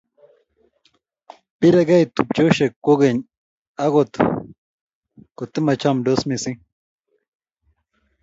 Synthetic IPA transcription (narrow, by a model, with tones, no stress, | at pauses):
pi˦ɾeɡa˦jt̪up̚t͡ʃo˦ʃe˨kːo˦ɡeɲ | a˦ɣo˨t̪ | ko˨t̪e˦mɐ˨t͡ʃamɖo˦smi˨si˦